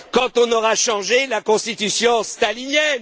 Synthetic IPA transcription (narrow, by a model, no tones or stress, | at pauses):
kɑ̃t̪ɔ̃nɔʁaʃɑ̃ʒelakɔ̃st̪it̪ysjɔ̃st̪alinjɛn